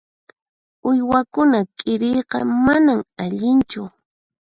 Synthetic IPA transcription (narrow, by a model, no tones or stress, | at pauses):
ʊjwakʊnakʼɪɾejqɑ̰manaŋaʎɪnt͡ʃʊ